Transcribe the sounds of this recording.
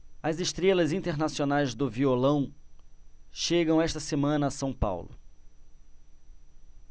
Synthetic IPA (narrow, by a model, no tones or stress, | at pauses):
ɐzeʃt̪ɾelɐzĩnt̪eɾnasionajzd̪ʊviolɐ̃w̃ | ʃeɡɐ̃w̃ɛʃt̪ɐsemɐ̃nɐːsɐ̃w̃pa̰wlʊ̰